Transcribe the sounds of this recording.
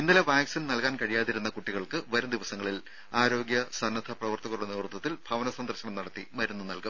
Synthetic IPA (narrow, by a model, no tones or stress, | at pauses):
inːɐleʋaːɡsɐnnɐlkaːnkɐɻijaːðiɾun̪ːɐkuʈːiɣɐɭkɨʋɐɾumd̪iʋɐsɐŋːɐɭil | aːɾo̞ːɡjɐsɐnːɐd̪ʰʱɐprɐʋɐrt̪ɐɣɐɾuɽeneːrut̪ːɐt̪ːilbʱɐʋɐnɐsɐnd̪rɐɕɐɳɐmnɐɽɐt̪ːimɐɾunːunɐlkɐm